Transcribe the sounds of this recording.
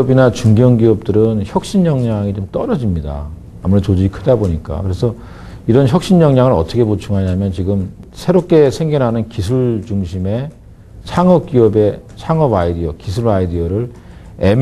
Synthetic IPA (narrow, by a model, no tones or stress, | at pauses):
binat͡ɕuŋɡjʌŋɡiʌp̚t͈ɯɾɯnçjʌk̚ɕ͈iɲɲʌŋɲaŋit͡ɕomt͈ʌɾʌd͡ʑimɲida̰ː | muɾet͡ɕod͡ʑiɡikʰɯdaboɲik͈a̰kɯɾe̞sʰʌ | iɾʌnçjʌk̚ɕ͈iɲɲʌŋɲaŋɯɾʌt͈ʰʌkʰe̞put͡ɕʰuŋɦaɲamjʌnt͡ɕiɡɯmsʰe̞ɾop̚k͈e̞sʰe̞ŋɡʌnɦanɯnkisʰuɭt͡ɕuŋɕʰime̞ | t͡ɕʰaŋʌp̚k͈iʌbe̞t͡ɕʰaŋʌbaidiʌkisʰuɾaidiʌɾɯɭ | em